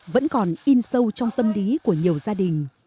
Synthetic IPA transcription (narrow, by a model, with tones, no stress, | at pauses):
və̰˧˥nkɔ˨˩nʔi˧nsə˧wt͡ɕɔ˧wŋ͡mt̪ə˧mli˨˦ku˧˩əɲi˨˩əwzaː˧ɗï˨˩ŋ̟